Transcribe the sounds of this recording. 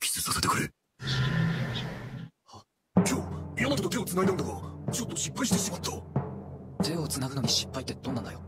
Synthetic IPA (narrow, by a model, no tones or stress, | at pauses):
kʲʰi̥sɨsaset̪ekɯ̟ɾḛ | a | kʲoːijonːakot̪ot̪eot͡sɨnaɡinãɯ̃nd̪aɡat͡ɕo̞t̪ːo̞ɕipːaiɕi̥t̪esimat̪ʰːo | t̪e̞o̞t͡sɨnaɡɯ̟noɲ̟iɕi̥pːait̪ːed̪õ̞nːand̪ajo